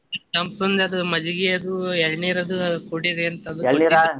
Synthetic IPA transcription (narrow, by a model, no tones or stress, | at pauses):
ʈɐmpund̪ɐɐd̪umɐd͡ʒuɡiɐd̪uɛɭniːɾɐd̪uɐkuɽiɾiɐnt̪ɐd̪uɐɭːiɾa